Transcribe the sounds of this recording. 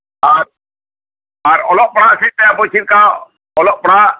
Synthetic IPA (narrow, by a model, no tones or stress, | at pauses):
aɾ | aɾɔlɔʔpɽ̃asit̪ɛapɔt͡ʃʰiɾka | ɔlɔʔpɽ̃a